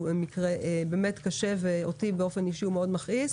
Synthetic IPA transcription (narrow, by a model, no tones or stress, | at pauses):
bemikʁeʔebeːmetkaʃeveotibeo̞feniʃiumeo̞dmaχis